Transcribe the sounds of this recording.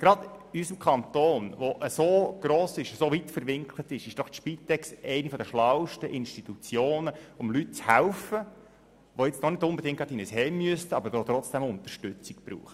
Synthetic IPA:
ɡ̥ɾɑd̥̪ysəmkʰɑnt̪oːnvoʔəsoɡ̥ɾoːsɪʃəsovitfəɾʋɪŋkʰlətɪʃɪʃd̥ɔχʃpiːt̪ɛksɛɪnifɔd̪əʃlɑwʃtəʔɪnʃtit̪ut͡sjoːnəʊmlyt̚t͡shæʊfə | ʋojɪt͡snɔnɪdʊmbed̪ɪŋk̚tɑtdinəshɛːmyəstəɑbəɾdɔt̪ɾɔt͡sd̥ɛmʊnt̪əʃtʉt͡sɪkb̥ɾṵːχə

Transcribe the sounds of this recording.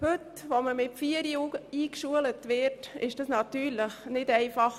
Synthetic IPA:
hʉt | ʋoməmɪtfiəɾiːkʃuələtʋɪɾtɪ̰ʃd̥ɑsnɑt̪yːɾləχnɪdɛɪfɑχ

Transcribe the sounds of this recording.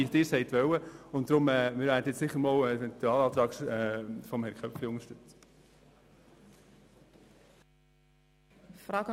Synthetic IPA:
idɪːɾsɛɪtʋœwəʊnt̚d̥ɾʊmɛːmɪɾʋæːɾdəɛt͡ssɪχːəɾmɔwɛvɛnt̪uɑːlɑːt̪ɾɑːksɛfɔmhɛɾkʰχœpfliʊŋəɾʃtʏt͡s | fɾɑːkə

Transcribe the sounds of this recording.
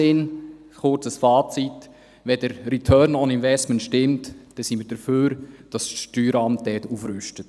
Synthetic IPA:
ɪn | χʊrt͡səsfɑːt͡sit | ʋɛdəɾɾitʰœːɾnɔnɪnvɛstmənʃtɪmtd̥ɛsiməːd̥əɾføːɾd̥ɑsʃtyːɾɑmt̚dɛːtuːfɾʉʃtət

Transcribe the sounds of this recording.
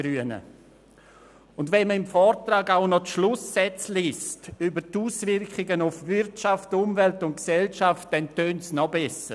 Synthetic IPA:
ɾyənə̰ | ʊndvɛnməɪmfɔːrtɾaːɡaʊnɔtʃlʊsːɛt͡sliːstybəɾtuːsvɪɾkχɪɡənʊfvɪɾtʃaftʊmvɛltʊnt̚ksɛlʃaft̚d̥ɛntøːntsnɔbɛsə

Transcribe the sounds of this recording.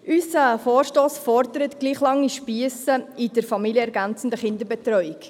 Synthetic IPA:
ʔysəfoːɾʃtoːsfɔɾdəɾətɡ̥liːχlɑŋːiʃpiəsəɪdəɾfɑmiljəɛɾɡænt͡sn̩dəχɪndəɾbɛt̪ɾœʏɪk

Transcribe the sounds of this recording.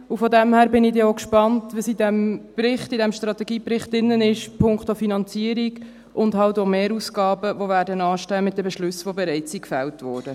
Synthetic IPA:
ʊfɔdɛmhæːɾbɪnɪdeokʃpɑntʋisidɛmprɪχtɪdɛmʃtrɑt̪ɛɡiːprɪχtɪnːənɪʃpʰʊŋkχtofinɑnt͡siəɾiɡ | ʔʊndɦɑltomeːɾusɡɑːbəvovæːɾdənɑːʃtɛmɪt̚dɛbɛʃlʉsʋobɛɾɛɪt͡sikfɛltvɔːɾd̥ə

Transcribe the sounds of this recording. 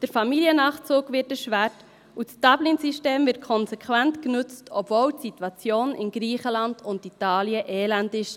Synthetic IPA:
d̥əɾfɑmiliənɑːχt͡suːɡʋɪtɛʃʋæɾt | usd̥ɑblɪnsiʃteːmvɪt̚kʰɔnsɛkʰʋæntknʏt͡stʰɔbvoːltsitwɑt͡sjoːnɪ̰nɡɾiːχəlɑnd̥ʊnditɑːliəʔɛːlændɪʃ

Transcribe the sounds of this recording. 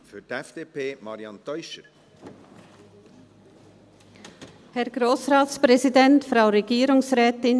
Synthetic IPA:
fytɛfd̥eːpʰeːmɑɾjɑnt̪œʏʃəɾ | hɛɾɡɾoːsʁaːtspʁɛzidɛntfɾaʊɾɛɡiːɾʊŋsʁɛːtɪn

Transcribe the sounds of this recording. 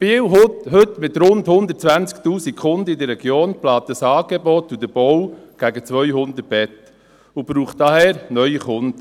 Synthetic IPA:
b̥iwɦʊtɦɵt̪mɪt̪ɾʊndhʊnd̪ətt͡sʋænt͡skt̪uːsikχʊnd̪əid̪ərːɛɡjoːnplɑːt̪əsɑːɡ̥ebɔt̪ːud̪əb̥ɔwɡ̥æɡət͡sʋœʏhʊnd̪ət̚b̥ɛt | ubɾuːχt̚d̥ɑhɛːɾnœʏiχʊnd̪̥

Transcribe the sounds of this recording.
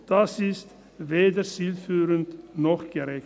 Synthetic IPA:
d̥asɪst | veːdəsiːlfyːʁəntnɔxɡ̥əʁɛ

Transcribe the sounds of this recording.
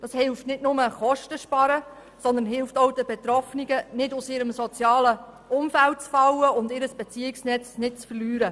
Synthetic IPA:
d̥ɑːshɪlftnɪtnʊməχɔʃtəʃpɑɾə | sɔnd̪ənɦɪlftowdəbɛt̪ɾɔfniɡənɪdʊsɪɾəmsɔt͡sjɑːləʔʊmfælt̚t͡sfɑwəʊndɪɾəsb̥ɛt͡siɪksnɛt͡snɪtt͡sfərlyːɾə

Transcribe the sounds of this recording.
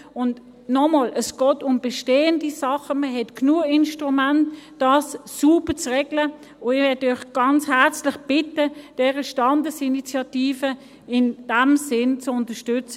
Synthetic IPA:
ʊnd | nɔmoːlʔəsɡ̥ɔːtʊmb̥ɛʃteːəndisɑχəməɦɛtknuəɪnʃtʁumæntd̥ɑːsːuːbət͡sʁɛɡlə | ʊɪvɛdœʏχɡ̥ɑnt͡shɛʁt͡slɪχb̥ɪtəd̥ɛːʁəʃtɑndəsinit͡sjɑtiːfə | ɪnd̥ɛmsɪnt͡sʊntəʃtʏt͡sə

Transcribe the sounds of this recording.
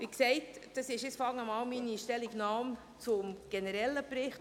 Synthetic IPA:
ʋiksɛɪtd̥ɑsɪʃɪt͡sfɑŋəmɑːlminiʃtɛliɡnɑːm | t͡sʊmɡ̥enəɾɛlːəpɾɪχt

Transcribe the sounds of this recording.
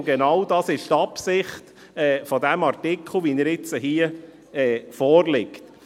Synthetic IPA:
ɡ̥ɛnɑwd̥ɑːsɪʃtɑpsɪχt | ɛːfɔdɛmɑrtɪkʰl̩ˠʋiːnəɾɪt͡səɦiːə | ɛːfɔːrlɪkt

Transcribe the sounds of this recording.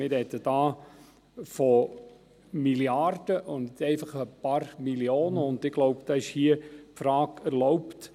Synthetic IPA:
mɪɾhɛt̪əd̥ɑː | fɔ | miliaɾd̥əʔʊntɛɪfɑχəpɑɾmiljoːnəʊndɪɡ̥lɔʊpd̥ɑɪʃhiəpfɾɑːkæɾlɔʊpt

